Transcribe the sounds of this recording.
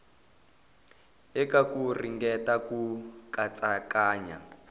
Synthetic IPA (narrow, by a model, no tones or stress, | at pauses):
ɛkakuriŋɡɛtakukat͡sʼakaːɲa̰